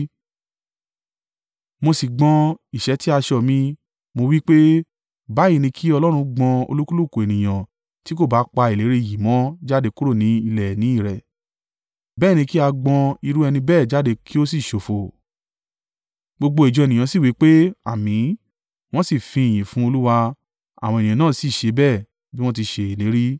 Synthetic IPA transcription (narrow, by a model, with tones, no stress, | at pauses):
mo˧si˨ɡ͡bɔ̃˧i˨ʃɛ˨˦ti˦a˧ʃɔ˧˨mĩ˧ | mo˧wi˦k͡pe˦ | ba˨˦i˦˨nĩ˧kʰi˦ɔ˧lɔ˦ɾ̃ũ˧ɡ͡bɔ̃˧o̰˧lu˦ku˦lu˦˨ku˨e˨nĩ˨j̃ã˨ | ti˦ko˦˨ba˨˦k͡pa˧i˨le˨˦ɾe˧˨ji˨mɔ̃˨˦d͡ʒa˦de˧ku˦ɾo˦˨nĩ˨˦i˧lɛ˨nĩ˨˦i˦˨ɾɛ˨ | bɛː˦˨nĩ˧ki˦a˧ɡ͡bɔ̃˧i˧ɾu˦ɛ˧nĩ˧bɛː˦˨d͡ʒa˦de˧kʰi˦o˦s̬i˦˨ʃo˨fo˨ | ɡ͡bo˧ɡ͡bo˧i˨d͡ʒɔ˧˨nĩ˨ã˨si˦˨wi˨˦k͡pe˦a̰˨mĩ˨˦ | w̃ɔ̃˦si˦˨fĩ˧˨j̃ĩ˨fũ˦o˧lu˦wa˧ | a̰˨w̃ɔ̃˧e˨nĩ˨ã˨nãː˦˨si˦˨ʃe˧˦bɛ˦˨ | bi˦w̃ɔ̃˦ti˧ʃe˧i˨le˨˦ɾi˦